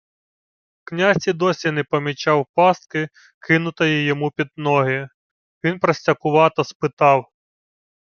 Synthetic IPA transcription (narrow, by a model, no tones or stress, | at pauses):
wknʲazʲtʲid̪ɔsʲinɛpɔmʲit͡ʃɑwpɑst̪̚kɪ | kɪnʊt̪ɔjijɔmupʲid̪̚nɔɦɪ | ʋʲinpɾɔsʲtʲɐkʊʋɑt̪ɔspɪt̪ɑw